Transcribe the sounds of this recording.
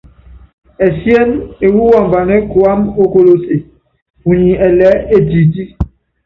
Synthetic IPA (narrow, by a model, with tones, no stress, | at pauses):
ɛ˨sjɛ˦ne˨wu˦wɔ˨mba˨nɛ˦kwa˦mo˦ko˦˨lo˦se˨ | u˨ɲi˨ʔɛ˨lɛ˦e˦di˨di˦